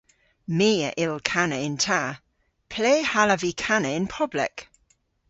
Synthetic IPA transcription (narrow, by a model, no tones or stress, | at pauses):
miːə̰ʔɪlkʰanəɪntʰa | pʰl̥eːhaləvikʰanəɪnpʰɔblɛ̰k